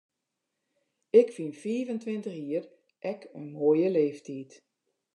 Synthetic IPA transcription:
ɪkfinfiːvəntʰʋɪntəxiːər | ʔɛkʰənmoːjəleːftʰiːt

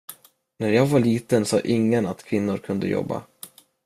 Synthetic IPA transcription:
næɾjɑːɡvaɭiːt̪ənsɑ̰ːʔɪŋːənat̪kʰvɪnːʊɾkʰɵnd̪ə̰jɔ̰bːa̰

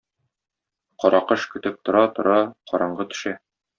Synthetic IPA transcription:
qɒɾʔɑqɤʃkɵ̆t̪ɘp̚t̪ŏɾɑt̪ŏɾɑqɒɾɑɴɢɤt̪ɵ̥̆ʃæ

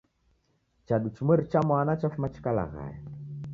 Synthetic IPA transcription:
t͡ʃaɗut͡ʃməɾt͡ʃamanat͡ʃafmat͡ʃkala̰ɣa̰j

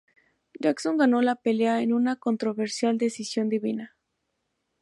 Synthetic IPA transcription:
d͡ʒakso̞ŋɡano̞lape̞leaenunako̞nt̪ɾo̞βe̞ɾsjald̪e̞sisjo̞nd̪iβina

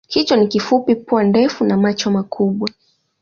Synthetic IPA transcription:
kit͡ʃɔnikifupipuandɛfunamat͡ʃɔmakʰuɓwa

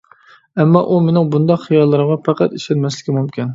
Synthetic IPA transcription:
ɛmːɑʔumenɪŋbund̪ɑqχijɑlˠːɨɾəmʁɑpʰæqæt̪iʃɛnmɛslɪkʲimumkʲin

